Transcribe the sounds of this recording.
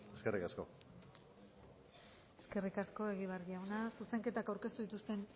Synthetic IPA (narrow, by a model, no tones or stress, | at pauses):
eskerikasko̞̰ | e̞ske̞rikasko̞e̞ɣ̞iβaɾðiawnasuse̞ŋke̞t̪akawɾke̞st̪uðit̪ust̪e̞n